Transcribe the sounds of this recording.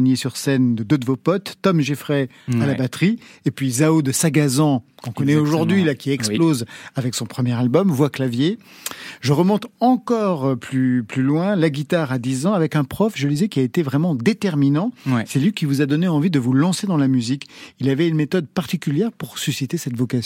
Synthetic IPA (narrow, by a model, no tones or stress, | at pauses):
njesyʁsɛnd̪əd̪ød̪əvopɔt̪ːɔmʒefχɛ | alabat̪χiepɥizaod̪əsaɡazɑ̃kɔ̃kɔnɛoʒuʁd̪ɥilakʲiɛksplozavɛksɔ̃pχəmjɛʁalbɔmvwaklavje | ʒəʁəmɔ̃t̪ɑ̃kɔʁplyplylwɛ̃laɡʲit̪aʁad̪izɑ̃avɛkɛ̃pχɔfʒəld̪izɛkʲiaet̪evʁɛmɑ̃d̪et̪ɛʁminɑ̃sɛlɥikʲivuzad̪ɔneɑ̃vid̪əvulɑ̃sed̪ɑ̃lamyzikilavɛynmet̪ɔd̪̚paʁt̪ikʲyljɛʁpuʁsysit̪esɛt̪vɔkas